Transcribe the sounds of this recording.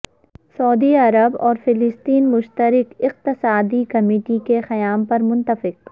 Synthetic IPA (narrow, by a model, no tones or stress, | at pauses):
sɔːd̪iɐɾəbɔːɾfɪlɪst̪iːnmʊʃt̪əɾɪkɪq̚t̪ɪsaːd̪ikɐmeːʈikexɐjaːmpɐɾmʊ̃nt̪əfɪq̚